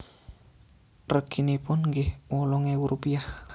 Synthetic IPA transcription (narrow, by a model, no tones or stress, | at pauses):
rəkinipʊnŋɡɪhwɔlɔŋewuɾʔupiah